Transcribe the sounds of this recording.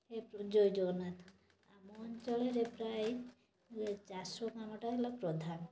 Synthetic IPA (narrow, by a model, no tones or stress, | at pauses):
epɔd͡ʒojd͡ʒɔnat̪ʰ | amɔnt͡ʃɔleɾepɾaj | led͡ʒasɔkamɔʈailɔpɾɔd̪ʱam